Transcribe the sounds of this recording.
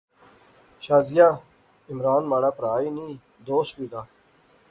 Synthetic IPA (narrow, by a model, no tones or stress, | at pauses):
ɕaːzija | imɾaːnmaːɽaːpɾaːiniː | d̪oːswid̪a